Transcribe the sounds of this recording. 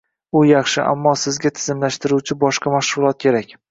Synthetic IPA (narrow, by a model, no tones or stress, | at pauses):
ʊjɑχʃɪʔa̰mːɒsɪzɡʲat̪ʰɪ̥zɪmlaʃt̪ɪɾuwt͡ʃʰɪbɒʃqʰɑmaʃʁʊlˠɒt̪̚kʲʰe̞ɾakʲ